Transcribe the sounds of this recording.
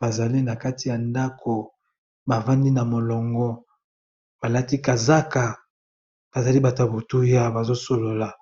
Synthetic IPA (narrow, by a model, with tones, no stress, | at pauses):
ba˨za˨li˦na˨ka˦ti˨ja˨nda˦kʰo˨ | ba˨va˦ndi˦na˨mo˨lɔ˨ŋɡɔ˦ | b̥a˨la˦ti˦ka˨za˦ka˨ | b̥a˨za˨li˦ba˨ta˨bo˨tu˦ja˦ba˨zo˦so˨lo˨la˨